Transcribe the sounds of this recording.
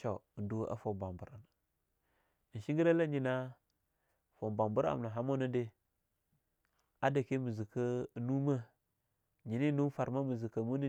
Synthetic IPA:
t͡ʃa˨ndu˦a̰˦fo˨ba˨mbu˨ɾa˨na˨ | n˨ʃi˦ŋɡi˦ɾa˦la˦ɲi˨na˦ | fo˨ba˨mbu˦ɾa̰˨mna˨ɦa˦mo˦na˦de˦ | a˦da˨ke˦mu˨zi˨ka˦˨nu˦ma˦ | ɲi˨ni˦nu˦fa˨ɾma˦mu˨zi˨ka˨mu˦ni˦

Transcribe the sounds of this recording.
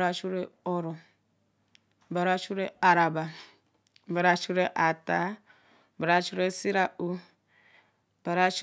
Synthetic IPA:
ɾa˦t͡ʃu˦ɾe˦ɔ˦ɾo˨ | ba˨ɾa˦t͡ʃu˦ɾe˦a˨ɾa˨ba˨ | ba˨ɾa˦t͡ʃu˦ɾe˦ʔa˨ta˦ | ba˨ɾa˦t͡ʃu˦ɾe˦si˦ɾa˦ʔu˦ | b̥a˨ɾa˦t͡ʃ

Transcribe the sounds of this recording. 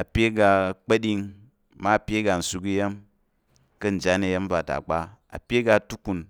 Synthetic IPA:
a˨pʲe˦ɡa˧˨k͡pɐ˦ɗi˦ŋ | ma˦˨pʲe˦ɡa˨n̩˨su˧ki˦je˦m | kɐ˦n̩˨d͡ʒa˦ne˨je˦m˦ba˨ta̰˨k͡pa˦a̰˨pʲe˦ɡa˧˨tu˦ku˨n

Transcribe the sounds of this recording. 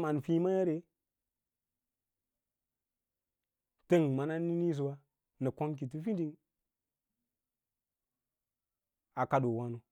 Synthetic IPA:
ma˨n˨fi˦ma˦ja˦ɾe˨ | tə˦ŋma˨na˦ni˦ni˦s̬u˨wa˦ | nə˨ko˦nk̬i˨t̬u˦fi˦di˦ŋ | a˨ka˨do˨wa˦no˨˦

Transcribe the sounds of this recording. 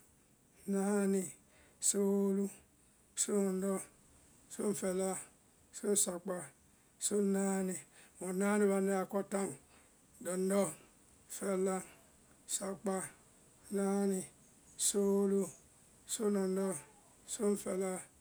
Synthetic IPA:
na˦ni˨ | so˦lu˦ | so˦nɔ˨n˦dɔ˦ | so˦ɱ̩˦˨fe˨la˦ | so˦n˦sa˨k͡pa˨ | so˦na˦ni˨mo˨na˦ni˦˨βa˨ne˦a˨ko˦ta˦˨ŋ | dɔ˨n˦dɔ˦˨ | fe˦la˦ŋ˨ | sa˨k͡pa˦ | na˦ni˨ | so˦lu˦ | so˦nɔ˨n˦dɔ˦ | so˦ɱ̩˦fe˨la˦

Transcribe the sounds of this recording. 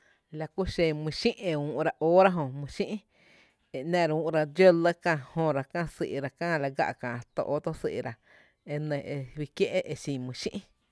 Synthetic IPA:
la˧ku˦ʃẽ˧˨mĩ˧ʃĩ˦ʔe˧ũː˧˨ʔɾa˧ʔoː˦ɾa˦ɦõ˧mĩ˧ʃĩ˦ʔ | e˨nɛ̃˧ɾa˧ũː˧ʔɾa˧d͡ʒjo˦lə˦kã˧hõ˧ɾa˧kã˦˧sḭ˧˨ʔɾa˧kãː˦˨˧la˧ɡa̰˧ʔkãː˨˧t̪o̰˧ʔo˦t̪o˦sḭ˧˨˧ɾa˨ | e˧nẽ˧˨e˧wi˧kje˦ʔe˦ʔe˧ʃĩ˧˨mĩ˧˨ʃḭ̃˦ʔ

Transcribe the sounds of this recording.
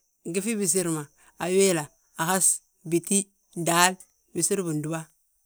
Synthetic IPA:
ɡi˦fi˦bi˨s̬i˦ɾma˨ | a˨we˦la˨ | a˨ha˦s | bi˨ti˦ | da˨˦l | bi˨si˦ɾbu˨ndu˨ba˦

